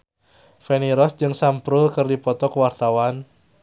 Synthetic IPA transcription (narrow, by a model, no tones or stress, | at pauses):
feniɾɔsd͡ʒɨŋsampɾʊlkɨrdipɔt̪ɔkəwart̪awan